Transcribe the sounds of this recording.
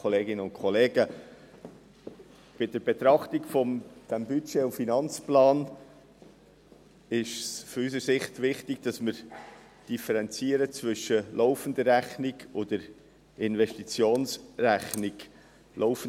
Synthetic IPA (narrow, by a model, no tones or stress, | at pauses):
oleːɡɪnəʊnkʰɔleːɡə | b̥ɪdəɾbet̪ɾɑχtɪɡfɔmd̥ɛmbyt͡ʃeːʊfinɑnt͡splɑːn | ɪʃsfɔysəɾsɪχtvɪχtɪɡd̥ɑsmɪɾ | d̥ifɛɾɛnt͡siəɾət͡svʏʃːəloʊfən̩dəræχnɪɡodəɾ | ɪnvɛʃtit͡sjoːnsræχnɪɡ | lʔoʊfən